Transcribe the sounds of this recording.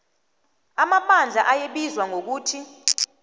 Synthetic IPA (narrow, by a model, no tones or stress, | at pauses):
amapʰand͡ɮʱaʔajeɓizwaŋʱok̬uːtʰi